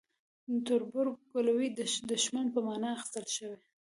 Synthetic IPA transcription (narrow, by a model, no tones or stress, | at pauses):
t̪ʊɾbʊɾɡkolawid̪əd̪əʃman̚pəmɑnɑaxɪ̥st̪əlʃəwe